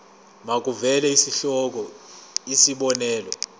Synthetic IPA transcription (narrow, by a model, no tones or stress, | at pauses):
mak̬ʼuvɛlɛisiɬɔk̬ʼɔisiɓɔnɛːlɔ̰